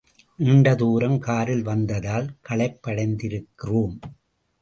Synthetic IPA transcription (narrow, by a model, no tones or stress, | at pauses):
ʔɪɳɖɐðuːɾɐmkaːɾɪlʋɐnd̪ɐðaːlkɐɭɐɪpːɐɽɐɪnd̪ɪɾɯkːɪroːm